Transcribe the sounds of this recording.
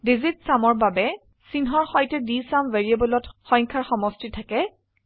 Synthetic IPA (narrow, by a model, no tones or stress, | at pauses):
dizitsamɔɹbabɛ | sinɦɔɹxɔjtɛdisamveɹiebɔlɔtxɔ̃jŋkʰaɹxɔmɔstitʰakɛ